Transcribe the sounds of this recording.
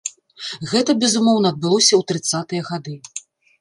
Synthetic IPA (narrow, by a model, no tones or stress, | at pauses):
ɣɛt̪ɐbʲɛzumɔwnɐːd̪̚bɨlˠɔsʲɐwt̪ɾɨt̪sat̪ɨjɐɣad̪ɨ